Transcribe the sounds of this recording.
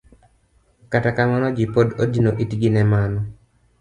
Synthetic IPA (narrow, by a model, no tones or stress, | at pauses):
katakamanɔd͡ʒipododinoʔitɡinɛmanɔ